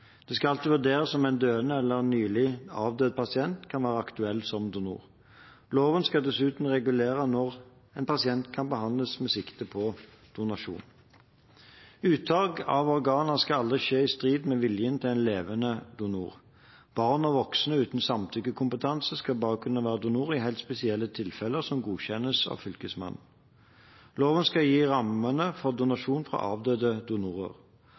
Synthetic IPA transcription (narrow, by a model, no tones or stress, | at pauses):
d̪̥ɛskɑɑlt̪ɪʋʉʁd̪eːɾəsɔmæɪnd̪øːənəɛlːəʁnyːlɪɑːʋd̪øːd̪̚pʰɑsɪɛnt̪kʰɑnʋæːʁəɑkt̪ʉɛlːsɔmd̪ʊnṵːʁ | loːʋənskɑd̪ɛsʉːt̪n̩ʁɛɡʉleːʁənɔʁ | ɛɪnpʰɑsɪɛnt̪kʰɑnbəhɑnd̪ləsmɛsɪkt̪əpʰɔ | d̪̥ʊnɑʂṵːn | ʉːt̪ʰɑːɡɑʋɔʁɡɑːnəskɑɑld̪ʁɪʃeːɪst̪ʁiːd̪mɛʋɪljənt̪ʰɪlæɪnleːʋənəd̪ʊnṵːʁ | b̥ɑʁnɔʋɔksnəʉːt̪nsɑmt̪ʰʏɡəkʰʊmpət̪ʰɑnsəskɑlbɑːʁəkʰʉnːəʋæːʁəd̪ʊnuːʁɪhæɪlt̪spɛsɪɛlːət̪ʰɪlfɛlːəʁsɔmɡuːçɛnəsɑ̰ʋfʏlkəsmɑ̰n | loːʋənskɑjiːʁɑmənəfɔʁd̪ʊnɑʂuːnfʁɑ̰ʔɑ̰ːʋd̪øːd̪əd̪ʊnuːʁə̰ʁ